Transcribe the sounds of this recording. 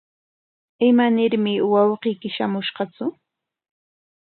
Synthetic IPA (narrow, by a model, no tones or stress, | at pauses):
ɪmanɪɾmɪwɑwqiːkɪʃamʊʃɢɑt͡sʊ